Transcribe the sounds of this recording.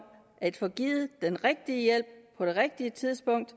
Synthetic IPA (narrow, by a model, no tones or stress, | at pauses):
ʔæd̥fɒɡ̥iːð̩ˠd̥enʁeɡ̥̚d̥iəjel̰b̥̚pʰɒ̽d̥e̝ʁeɡ̥̚d̥iət͡sʰiðˠsb̥ɔ̽ŋ̰d̥